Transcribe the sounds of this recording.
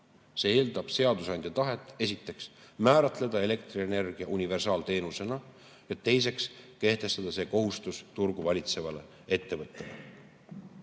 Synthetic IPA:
se̞ːeːld̪̥ɑb̥se̞ɑd̪usɑnd̪jɑt̪ɑɦe̞t̪ˑːe̞sit̪ːˑe̞ksmæːɾɑt̪ˑle̞d̪ɑe̞le̞kt̪riene̞rɡ̥iɑʔunʲive̞rsɑːlt̪e̞ːnuse̞nɑ | jɑt̪e̞js̬e̞kske̞ht̪e̞st̪ɑd̪̥ɑse̞ːko̞ɦust̪ust̪urɡuvɑlʲit̪se̞vɑle̞ | e̞t̪ːe̞vɤt̪ːˑele

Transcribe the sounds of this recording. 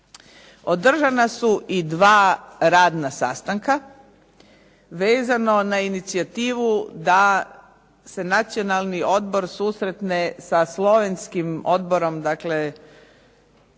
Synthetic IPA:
o̞d̪r̩ʒanasuʔid̪ʋaːɾaːd̪nasa̰st̪aŋka | ʋeːzano̞nainit̪siat̪iːʋud̪a | se̞nat̪sio̞nalˠnio̞d̪bo̞ɾsuːsɾe̞t̪nesaslˠo̞ʋe̞nskimo̞d̪bo̞ɾo̞md̪akle̞

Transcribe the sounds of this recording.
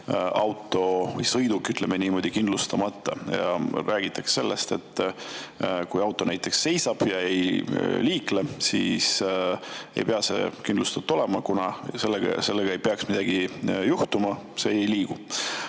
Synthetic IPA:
ɑwt̪ːˑo̞vɯ̰jsɤjd̪ukːyt̪ˑlemeniːmo̞ːd̪̥ikind̪lust̪ɑmɑt̪ːˑɑ̰jɑ̰ɾʔæːɡ̥it̪ːˑɑkse̥se̞lːḛst̪e̞̰t̪ːˑ | kujɑwt̪ːˑo̞næjt̪ːˑe̞ksːe̞jsɑb̥jɑe̞jliːklesḭːs | e̞̰jpeɑse̞̰kind̪lust̪ɑt̪ːˑo̞lemɑkunɑse̞lːeɡɑ̰se̞lːeɡ̥ɑe̞jpeɑksmid̪ɑɡ̥ijuht̪umɑse̞ejliːɡ̥u

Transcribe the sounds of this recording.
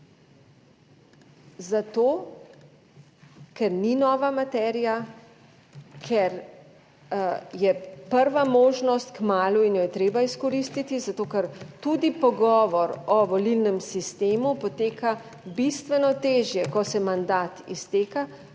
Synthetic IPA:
zat̪oː | kɛɾninɔːʋamat̪ɛɾija | kʰɛɾ | jɛpəɾʋamoːʒnɔst̪̚kmaːluinjojɛt̪ɾeːbaiskɔɾist̪it̪izat̪oːkɛɾt̪ud̪ipɔɡɔːʋɔɾɔʋɔlilnɛmsist̪eːmupɔt̪eːka | bist̪ʋɛnɔt̪eːʒjɛkɔsɛmand̪aːt̪ḭst̪eːka

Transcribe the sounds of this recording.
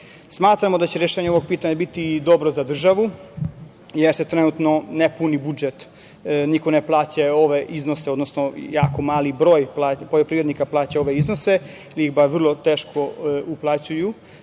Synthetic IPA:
smaːt̪ɾamod̪at͡ɕeɾjeʃeːɲeo̞ʋo̞ɡ̚piːt̪aɲabit̪id̪o̞bɾozad̪r̩ʒaʋu | jeɾse̞t̪ɾenuːt̪no̞nepunibud͡ʒet̪ | nikoneplˠaːt͡ɕao̞ʋeʔiznoseod̪nosnojaːko̞maːlibɾo̞ːjplaːpoʎopɾiʋɾed̪nikaplˠaːt͡ɕao̞ʋeizno̞se̞ | iliixbaɾʋr̩lˠo̞t̪eːʃkʰo̞uplˠat͡ɕuju

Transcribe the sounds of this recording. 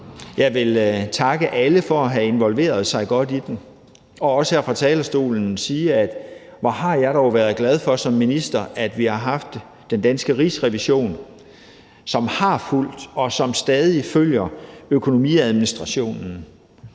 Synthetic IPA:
jɑ̈ɪʋe̝lt͡sʰɑ̈ɡ̥əʔæləfɒ̽æɦæe̝nʋɒ̽lʋe̝̰ːɐð̞ˠsɑ̈ɪɡ̥ɒ̽d̥id̥em | ɒ̽ɒ̽səhæɐfʁɑ̈t͡sʰɛːlɐsd̥o̝̰ːln̩siːæd̥ʋɒɦɑ̈jɑ̈ɪɾ̥ɒʊʋæɐð̩ˠɡ̥læð̞ˠfɒ̽sɒ̽mːinisd̥ɐæd̥ʋihɑ̈ɦɑ̈fd̥ː | end̥ænsɡ̥əʁisʁɛʋiɕo̝̰ːn | sɒ̽mhɑ̈ful̰d̥ɒ̽sɒ̽msd̥ɛːð̞ˠiføljɐøkʰo̝no̝mḭːæð̞ˠminisd̥ʁɑ̈ɕo̝̰ːnn̩

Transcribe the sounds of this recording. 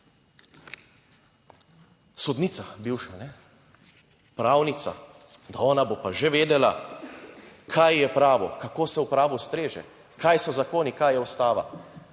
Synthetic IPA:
sɔd̪niːt̪sabiwʃanɛ | pɾaːwnit̪sa̰ | d̪aɔːnabopaʒeʋeːd̪ɛla | kʰajjɛpɾaːʋɔ̰kakoːsɛwpɾaːʋust̪ɾeːʒɛ̰ | kajsɔzakoːnikaːjɛɔst̪aːʋa̰

